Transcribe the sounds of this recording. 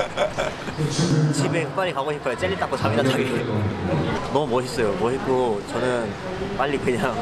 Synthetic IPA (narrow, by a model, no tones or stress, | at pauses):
t͡ɕʰibekɯkp͈aɾikaɡoɕʰipʰajot͡ɕ͈eʎːit͈ak͈osʰamidatʰaie | nʌumʌɕʰis͈ʌjomʌɕik͈ot͡ɕʌnɯn | p͈aʎːikɯɲa